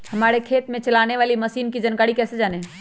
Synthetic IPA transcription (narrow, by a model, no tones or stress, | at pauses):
həmaːɾekʰeːt̪mẽt͡ʃəlaneʋaːliməsiːnkid͡ʒənkaːɽikɛːsed͡ʒaːne